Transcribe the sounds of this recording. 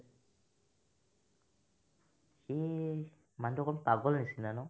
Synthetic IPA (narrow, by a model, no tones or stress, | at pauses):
xi | mandɔkɔnpaɡɔlnisinanɔ